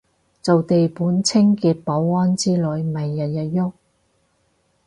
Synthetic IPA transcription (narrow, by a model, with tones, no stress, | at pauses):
t͡so˨wt̪e˨jpuː˨˥nt͡sʰɪ˥ŋkiː˨˧t̚pɔ˨˥wɔː˥nt͡siː˥lɔː˨˥jm˨mɐ˨jːɐ˨t̚jɐ˨t̚jʊ˥k̚